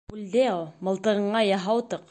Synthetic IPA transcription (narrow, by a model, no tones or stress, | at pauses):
ʉld̪emɤ̆lˠt̪ɤ̆ʁɤ̆ɴɑjɑɦɑwt̪ɤq